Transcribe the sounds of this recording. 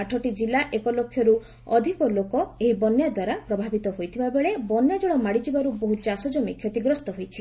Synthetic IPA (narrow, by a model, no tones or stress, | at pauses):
aʈʰɔʈid͡ʒilaʔekɔlokʰːjɔɾu | ɔd̪ʱikɔlokɔeɦibɔnjad̪waɾapɾɔbʱabit̪ɔɦojt̪ʰibabeɭebɔnjad͡ʒɔɭɔmaɽid͡ʒibaɾuboɦut͡ʃasɔd͡ʒɔmikʰːjɔt̪iɡɾɔst̪ɔɦojt͡ʃʰi